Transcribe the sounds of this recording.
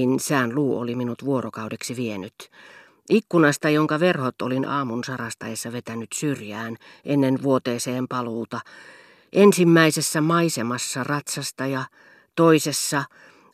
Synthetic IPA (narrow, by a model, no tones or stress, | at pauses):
insæːnluːo̰liminut̪ʋuorokɑudeksiʋienyt̪ | ʔikːunɑst̪ɑjoŋkɑʋerhot̪o̰linɑ̰ːmunsɑrɑst̪ɑesːɑʋet̪ænyt̪syrjæːn | ʔenːenʋuot̪eːseːmpɑluːt̪ɑ | ʔensimːæisesːæmɑisemɑsːɑrɑt̪sɑst̪ɑjɑ | t̪oisesːɑ